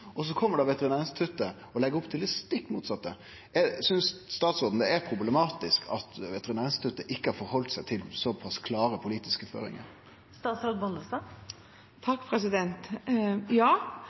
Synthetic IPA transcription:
ɔs̬ɔkʰɔmːəɖɑʋɛt̪əɾɪnæːɾnst̪ʰʉt̪ːə | ɔlɛɡəɾʊpːt̪ʰɪlːɪst̪ɪkːmuːt̪sɑt̪ːə | jɛsʏnsst̪ɑːt̪sʁɔːd̪n̩d̪ɛɛɾpʰɾʊblɛmɑːt̪ɪskʰɑ̰t̪ʋɛt̪əɾɪnæːɾɪnst̪ʰʉt̪ːəʔɪkːəhɑɾfɔɾhɔlt̪sæɪt̪ʰɪlsɔpʰɑskʰlɑːɾəpʰʊliːt̪ɪskəfø̰ːɾɪ̰ŋə̰ɾ | st̪ɑːt̪sɾoːd̪bɔnd̪əst̪ɑː | t̪ʰɑkːpʰɾɛsɪd̪ɛnt̪jɑː

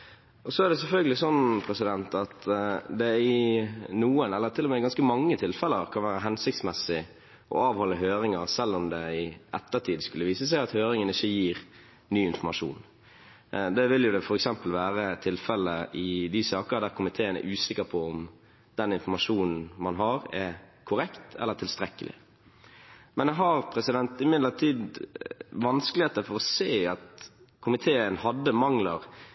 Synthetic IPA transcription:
ɔsɔæʁd̪ɛsɛlfœlɡəlɪsɔnːpʰɾɛsɪd̪ɛnt̪ɑt̪d̪ɛɪnuːənɛlːəɾt̪ʰɪlːɔmɛɪɡɑnskəmɑŋːət̪ʰɪlfɛləɾkʰɑnʋæːɾəɦɛnsɪk̚t̪smɛsɪ | ʔɔ̰ɑːʋhɔlːəɦøːɾɪŋəɾsɛlːɔmd̪ɛɪɛt̪ːəɾt̪ʰiːd̪skʉlːəʋiːsəs̬æɪɑt̪høːɾɪŋənɪçːəjiːɾ | nyːɪnfɔmɑʂṵːn | d̪ɛʋɪljʊd̪ɛfɔɾɛksɛmpəlʋæːɾət̪ʰɪlfɛlːəɪd̪ɪsɑːkəɾd̪æːɾkʰʊmɪt̪ʰeːənæ̰ɾʔʉːsɪkːəɾpʰɔɔm | d̪̥ɛnɪnfɔmɑʂuːnn̩mɑnɦɑɾɛkʰʊɾɛkt̪ʰɛ̰lːət̪ʰɪlst̪ɾɛkːəlʔɪ̰ | mɛnd̪ɦɑɾpʰɾɛsɪd̪ɛnt̪ɪmɪd̪lət̪ʰiːd̪ | ʋɑnskəlɪeːt̪əfɔɾɔseːɑt̪ | kʰʊmɪt̪ʰeːənhɑd̪ːəmɑŋləɾ

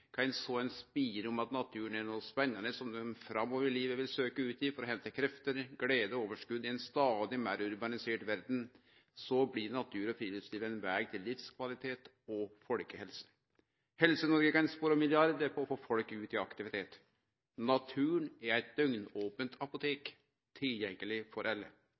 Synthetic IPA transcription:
kʰɑɪnsɔɛnspiːɾɔmɑt̪nɑt̪ʰʉːnænoːspɛnːɑnəsɔmd̪ɛmfɾɑmːɔʋəɾɭiːʋəʋɪlsøːkəʉːt̪ɪfɔɾɔɦɛnt̪əkʰɾɛft̪əɾɡɽeːd̪əoːʋəʂkʉd̪ːɪɛnst̪ɑːd̪ɪmæɾʊɾbɑnɪseːʈʋæɾd̪n̩ | sɔblɪnɑt̪ʰʉːɾɔfʰɾiːlɪpsliːʋɛnʋæːɡt̪ʰɪlːɪfskʰʋɑlɪt̪ʰeːt̪ | ɔfɔlkəhɛlsə̥ | hɛlsənɔɾɡəkɑnspoːɾɔmɪlɪɑɾd̪əpʰɔːfoːfɔlkʉːt̪ɪɑkt̪ɪʋɪt̪ʰeːt̪ | nɑt̪ʰʉːɳæɾæɪt̪̚d̪œŋnoːpənt̪ʰɑpʊt̪ʰeːk | t̪ʰɪljɛŋːəlɪfɔɾʔɛlːə̰

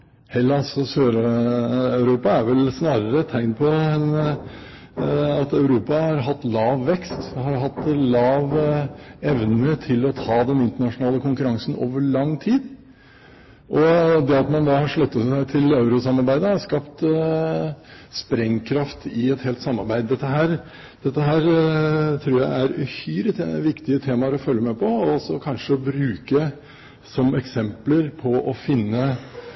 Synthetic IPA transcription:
hɛlːɑsɔsøːɾ | ɑʉɾuːpɑæɾʋɛlsnɑːɾəɾət̪ʰːæɪnpʰɔɛn | ɑt̪ɑʉɾuːpɑhɑɾɦɑt̪ːlɑːʋːɛkst̪hɑɾɦɑt̪ːlɑːʋ | ɛʋnəmet̪ʰɪlɔt̪ʰɑːd̪ɛnɪnt̪əɳɑʂʊnɑːləkʰʊŋkʉɾɑŋsən̩o̰ːʋəɭɑŋːt̪ʰiːd̪ | ʔɔd̪ɛɑt̪mɑnd̪ɑːhɑɾʂɭœt̪ːəsæɪt̪ʰɪlɑʉɾʊsɑmɑɾbæɪd̪əhɑʂkɑpt̪ | spɾɛŋkʰɾɑft̪ɪɛt̪heːlt̪sɑmːɑɾbæɪd̪ːɛt̪ːəɦæːɾ | d̪̥ɛt̪ːəɦæːɾt̪ʰɾuːɾjæɪʔæɾʉhyːɾəʋɪkt̪ɪət̪ʰeːmɑɾɔfœlːəmɛpʰɔɔsɔkʰɑnʂəɔbɾʉːkə | sɔmɛksɛmpləɾpʰɔʔɔfɪnːə

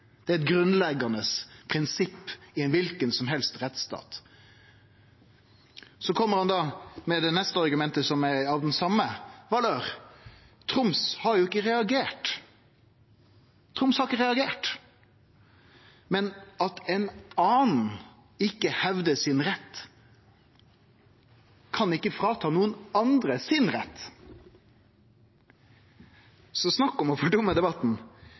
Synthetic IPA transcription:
d̪̥ɛæɾɛt̪̚ɡɾʉnlɛɡɑnəspʰɾɪnsɪpːɪɛnʋɪlkənsɔmɦɛlst̪ɾɛt̪st̪ɑ̰ːt̪ | sɔkʰɔmːəɾhɑnd̪ɑmɛd̪ɛnɛst̪əɑɾɡʉmɛnt̪əsɔmæɑʋd̪ɛnsɑmːəʋɑːløːɾ | t̪ʰɾʊmshɑɾjʊɪkːəɾɛɑɡeːʈ | t̪ʰɾʊmshɑɾɪkːəɾɛɑɡeːʈ | mɛnɑt̪ɛnɑːnn̩ | ɪkːəhɛʋd̪əsɪnɾɛt̪ː | kʰɑnɪkːəfɾɑːt̪ʰɑːnuːənɑnd̪ɾəsɪnɾɛ̰t̪ː | sɔsnɑkːɔmɔfɔɖʊmːəd̪ɛbɑt̪n̩

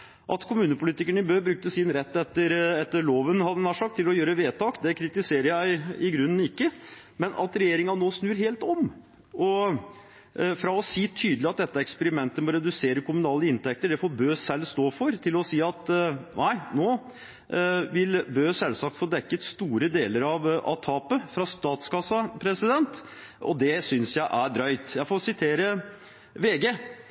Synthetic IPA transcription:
ʔɑt̪kʰʊmʉːnəpʰʊliːt̪ɪkəɳəɪbøːbɾʉk̚t̪əsɪnɾɛt̪ːɛt̪ːəɾɛt̪ːəɭoːʋənhɑd̪ənæːʂɑkt̪ʰːɪlɔjøːɾəʋeːt̪ʰɑːkd̪ɛkʰɾɪt̪ɪseːɾəjæɪɪɡɾʉnːn̩ɪkːə | mɛnʔɑ̰t̪ɾɛjeːɾɪŋɑnoːsnʉːɾɦeːlt̪ɔm | ʔɔ | fɾɑɔsiːt̪ʰyːd̪lɪɑt̪̚d̪ɛt̪ːəɛkspɛɾɪmɛnt̪əmɔɾɛd̪ʉseːɾəkʰʊmʉnɑːləɪnt̪ɛk̚t̪əɖɛfoːbøːsɛlːst̪oːfɔɾt̪ʰɪlɔsiːɑt̪nʔæɪnoː | ʋɪlbøːsɛlsɑːk̚t̪foːd̪ɛkːət̪st̪uːɾəd̪eːləɾɑʋɑ̰t̪ʰɑːpəfɾɑst̪ɑːt̪skʰɑsːɑpʰɾɛsɪd̪ɛnt̪ɔd̪ɛsʏnsjæɪʔæɖ̪ɾœʏt̪jæɪfoːsɪt̪ʰeːɾə | ʋeːɡeː

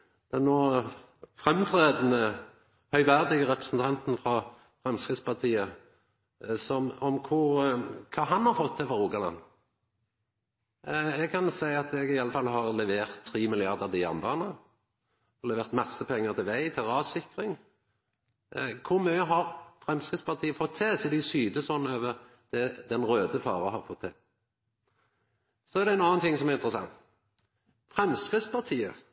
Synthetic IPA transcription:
d̪̥ɛnnoː | fʁɛmt̪ʰʁeːd̪nə | hœʏʋæʁd̪ɪɡəʁɛpʁəsn̩t̪ʰɑnt̪n̩fʁɑ | fʁɛmskʁɪspɑʁt̪ʰiːə | sɔmɔmkʰʊʁkʰɑːɦɑnhɑʁfɔt̪ʰːɪfɔɾuːɡɑlɑ̰nː | ɛɡ̚kʰɑnsæɪɑt̪ɛɡɪɑlːəfɑlːɦɑʁlɛʋeːʁt̪ʰːʁiːmɪlɪɑʁd̪əʁd̪ɪjɑ̰ʁnbɑ̰ːnə | lɛʋeːʁt̪mɑsəpʰɛŋːəʁt̪ʰɪlʋæɪt̪ʰɪlɑːʋsɪkʁɪŋ | kʰʊʁmyːəɦɑʁfʁɛmskʁɪt̪spɑʁt̪ʰiːəfɔt̪ʰːɛsɔɛd̪ɪsyːd̪əsɔnːøːʋəʁ | d̪̥ɛd̪ɛnʁøːd̪əfɑ̰ːʁəhɑʁfɔt̪ʰːɛ̰ | sɔɛʁd̪ɛnɑːnt̪ʰɪŋsɔmɛʁɪnt̪ʁəsɑ̰ŋt̪ | fʁɛmskʁɪt̪spɑʁt̪ʰiːə

